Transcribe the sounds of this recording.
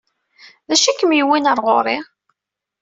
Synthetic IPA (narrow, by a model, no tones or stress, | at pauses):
ðæʃækːəmjiwinəɾˤʁo̰ɾˤɪʁ